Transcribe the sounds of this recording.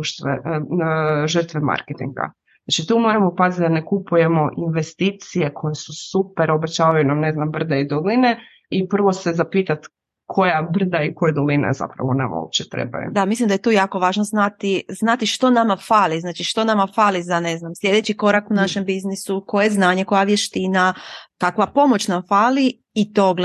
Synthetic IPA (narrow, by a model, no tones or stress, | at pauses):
ut̪ʋe | ʒər̩t̪ʋema̰ɾket̪ḭŋɡa̰ | nat͡ʃit̪umo̞ɾamo̞pazit̪̚d̪ane̞kupuje̞mo̞ʔinʋe̞st̪iːt̪sije̞kʰo̞jesusupeɾo̞be̞t͡ɕaːʋajunamne̞znambr̩d̪eid̪oline | ipr̩ʋo̞sezapiːt̪at̪ | kʰo̞jabr̩d̪aikojed̪olina̰za̰pɾa̰ʋona̰ma̰o̰p̚t͡ɕet̪ɾḛba̰jṵd̪amislimd̪ajt̪uːjaːko̞ʋaːʒnoznat̪iznat̪iʃt̪o̞namafaːliznaːt͡ʃiʃt̪o̞namafaːlizane̞znamslʲje̞d̪et͡ɕiko̞ɾakunaʃe̞mbiznisuko̞jeznaːɲe̞ko̞jaʋjeʃt̪inakakʋapo̞mo̞t͡ɕnamfaːli | it̪oɡl